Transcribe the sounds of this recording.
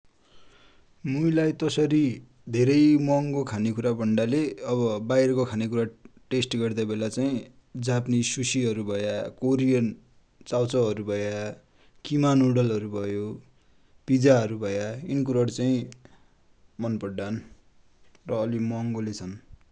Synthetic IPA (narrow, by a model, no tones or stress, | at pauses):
mujlajt̪ʌsʌɾi | d̪ʱeɾʌjmʌŋkokʰanekuɾabʌɳɖaleʌβʌbajɾʌkokʰanekuɾaʈesʈɡʌrd̪abelat͡saĩ | d͡zapnisusiɦʌɾubʱʌjakoɾijʌn | t͡sawt͡sʌɦʌɾubʱʌja | kimanuɽʌlɦʌɾubʱʌjo | pid͡zaɦʌɾubʱʌjaink̬uɾʌɽt͡saĩ | mʌnpʌɽːan | rʌːlimʌŋɡolet͡sʰʌn